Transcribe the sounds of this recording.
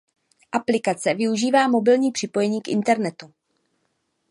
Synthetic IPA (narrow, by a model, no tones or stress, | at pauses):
ʔaplɪkat͡sɛvɪuʒiːvaːmo̞bɪlɲiːpr̥ɪpo̞jɛɲiːkʔɪ̰nt̪ɛɾnɛt̪u